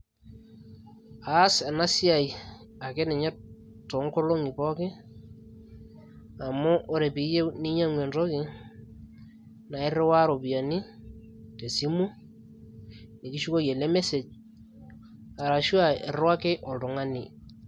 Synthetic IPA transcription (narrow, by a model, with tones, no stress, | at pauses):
a˨˦sa˨na˦si˦a˨j | a˨ke˦nɛ˨ɲɛ˦ | to˨˦ŋko˦lo˦ŋi˨pɔ˦kɪ˦ | a˨mʊ˦ʔːɾe˨pi˨˦je˦wni˦ɲa˦ŋwe˨nɾɔ˦kɪ˨ | na˨ɪ˦re˦wa˦ɾo˨bi˨a˨ni˦ | te˨si˦mu˦ | ne˨ki˦ʃu˦ko˦je˨le˦me˦se˨t͡ʃ̚ | a˨ɾa˨ʃu˦a˨e˨rwa˦ke˦ʔɔ˨ltʊ˨ŋa˦ni˨